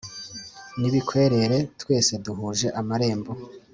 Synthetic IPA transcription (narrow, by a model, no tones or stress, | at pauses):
niβikʰwe̞ɾe̞ɾe̞twe̞ːse̞duɦuʒe̞ʔamaɾe̞ːmbo